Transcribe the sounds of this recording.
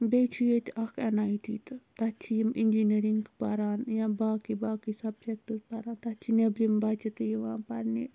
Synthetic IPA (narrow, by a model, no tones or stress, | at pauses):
b̪et͡ʃʰijet̪ʲɐkʰenaːjt̪ḭːt̪t̪ɐt͡ʃʰijimʔinʲd͡ʒiniɾiŋɡpaɾaːnjãbaːkibaːkisɐb̚t͡ʃek̚ʈispaɾaːnt̪ɐt͡ʃʰinebɾimbaːt͡ʃɐt̪ɨjiʋãːnpɐɾni